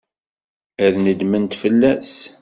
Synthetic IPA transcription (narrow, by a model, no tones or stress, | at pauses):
æðnəd̪mənt̪fəlːæs